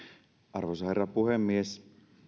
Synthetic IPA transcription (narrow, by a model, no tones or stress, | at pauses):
ʔɑrʋojsɑherːɑpuhemːies